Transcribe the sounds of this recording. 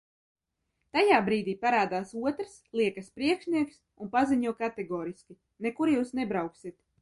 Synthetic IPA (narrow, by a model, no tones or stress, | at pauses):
t̪ajaːbɾiːd̪iːpaɾaːd̪aːsuɔt̪ɾslˠiɛkaspɾiɛkʃniɛks | unpaziɲuɔkat̪ɛɡɔːɾiskʲi | nekuɾjuːsnɛbɾawksit̪